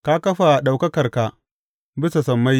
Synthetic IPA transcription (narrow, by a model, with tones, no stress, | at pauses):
ka˦kɐ˦ɸa˨ɗa˨wkɐ˦kɐ˨rka˨ | bɪ˦sa˨sɐ˨mːa˦j